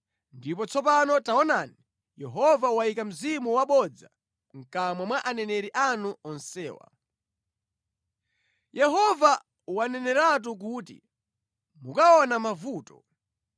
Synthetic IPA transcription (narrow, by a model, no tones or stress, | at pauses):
ndipɔt͡sʰɔp̬anɔtaɔnaːni | jɛɦɔvawaikam̩zimuwaɓɔd͡za | ŋ̩kamwamwaʔanɛnɛɾiʔanuɔnsɛːwa̰ | jɛɦɔva | wanɛnɛɾat̬uk̬uːtḭ | mukaɔnamavuːtɔ̥